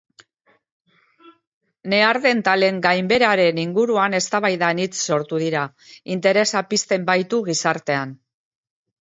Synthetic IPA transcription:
ne̞aɾðe̞nt̪ale̞ŋɡajmbe̞ɾaɾe̞niŋɡuɾuane̞st̪aβajðanit͡sːo̞ɾt̪uðiɾa | int̪e̞ɾe̞sapist̪e̞mbajt̪uɣisaɾt̪e̞an

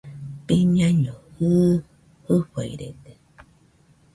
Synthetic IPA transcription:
peɲãɲõhɨ | hɨɸa̰ḭɾḛd̪e

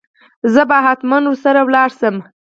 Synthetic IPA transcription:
zəbaɦat̪manwusaɾawlɑɾsəm

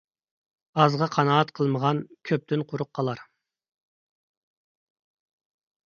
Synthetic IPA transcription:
ɑzʁɑqʰɑnɑːt̪qʰəlˠməʁɑnkʲʰøp̚t̪ʰynqʰʊɾʊq̚qʰːɑlˠɑɾ

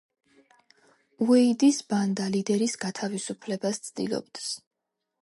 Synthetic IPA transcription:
uɛid̪isband̪alid̪ɛɾisɡat̪ʰavisupʰlɛbast̪sʰd̪ḭlˠɔ̰bd̪̥s

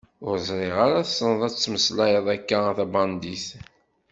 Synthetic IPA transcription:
ʊɾzˤɾˤeʁaɾaθsːənəðˤæt͡sːməslæjəðˤækːaθæbɑnd̪iθ

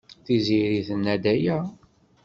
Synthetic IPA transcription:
θiziɾiθənːæd̪æjæ

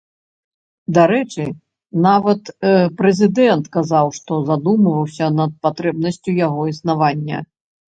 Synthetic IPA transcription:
d̪aɾɛt͡ʂɨ | navɐt̪pɾɛzʲid̪ɛnt̪kazawʂt̪ɔzad̪umɐvɐwsʲɐnɐt̪̚pat̪ɾɛb̚nɐsʲt͡sʲujaɣɔisnavanʲːɐ̰

